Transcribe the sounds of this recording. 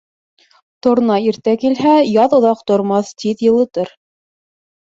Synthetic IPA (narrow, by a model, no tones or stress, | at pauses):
t̪ŏɾnɑiɾt̪ækilɦæjɑðŏðɑqt̪ŏɾmɑθt̪iðjɤ̆lˠɤ̆t̪ɤɾ